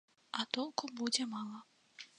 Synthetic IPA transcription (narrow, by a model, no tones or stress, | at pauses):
at̪ɔlˠkubud͡zʲɛmɑlˠɐ